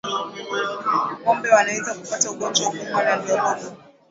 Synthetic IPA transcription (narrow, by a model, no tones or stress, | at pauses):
kɔmbɛwanaizakupatauɠɔnd͡ʒɔwukumanandɔɓɔ